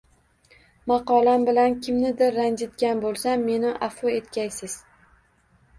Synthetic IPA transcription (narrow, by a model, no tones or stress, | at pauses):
mɑqɒlambɪlankʲʰɪmnɪd̪ɪɾːand͡ʒ̪ɪt̪ɡʲanbolˠsamːe̞nɪʔafoe̞t̪kʲajsɪz̥